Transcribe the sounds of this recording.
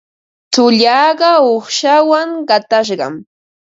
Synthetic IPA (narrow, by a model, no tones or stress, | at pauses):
t͡sʊʎɑːɢɑoχʃawaŋɢɑt̪aʃ̬ɢɑ̰m